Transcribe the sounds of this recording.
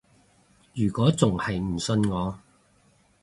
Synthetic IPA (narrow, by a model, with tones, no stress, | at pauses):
jyː˨˩kʷɔː˨˥t͡sʊ˨ŋhɐ˨jm̩˨˩sɵ˧nŋɔː˨˧